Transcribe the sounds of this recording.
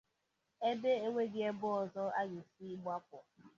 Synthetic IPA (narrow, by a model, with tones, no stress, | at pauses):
e˦be˦e˦ŋʷe˦ɡɪ˦e˦bʊ˦ɔ˨zɔ˦a˦ɡɪ˨si˦ɡ͡bʷa˦p̚ɔ˨